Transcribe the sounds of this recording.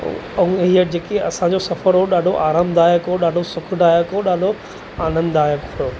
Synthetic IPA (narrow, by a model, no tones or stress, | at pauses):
ʊ̃ŋɦiəd͡ʑeːkeɐsãɲd͡ʑosɐfəɾɦoɗaːɖʱoʔaːɾaːmd̪aːjəkɦoɗaːɖʱosʊkʰd̪aːjəkɦoɗaːɖʱo | aːnə̃nd̪aːjəkoː